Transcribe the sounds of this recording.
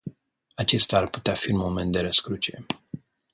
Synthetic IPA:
at͡ʃe̞st̪aːrpu̥t̪eafiɨunmo̞me̞nt̪d̪e̞ɾəskɾut͡ʃe

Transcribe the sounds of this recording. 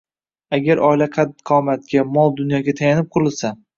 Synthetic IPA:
aɡʲaɾʔɒjlaqʰɑd̪qʰɒmat̪̚ɡʲamɒlˠd̪ʊnjɒɡʲat̪ʰajanɪp̚qʰʊɾɪlsa

